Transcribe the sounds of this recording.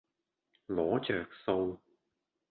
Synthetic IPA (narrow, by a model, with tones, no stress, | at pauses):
lɔː˨˥t͡ʃœː˨˩k̚so˧w